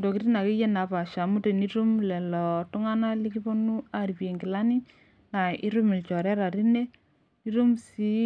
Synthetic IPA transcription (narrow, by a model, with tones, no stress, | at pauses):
do˨ki˦ɾi˦na˨ki˦jɛ˦na˨pa˨ʃa˨mu˦te˨ni˦ɾu˦mlɛ˨lɔ˨tʊ˦ŋa˦na˦li˦ki˦po˦nu˦aɾi˨pje˨ŋɡɪ˨la˦ni˦ | na˨i˦ɾu˦mɪ˨lt͡ʃɔ˨ɾɛ˦ɾa˨ɾi˦ne˦ | i˦ɾu˦msi˦